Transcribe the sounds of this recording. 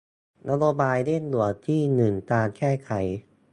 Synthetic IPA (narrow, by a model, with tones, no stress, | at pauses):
nʔa˧˥ɾoː˧baː˧jle˥˩nlu˩˦ət̪ʰiː˥˩nɯ˨˩ŋt̪aː˧nkʰɛː˥˩kʰa˨˩˦j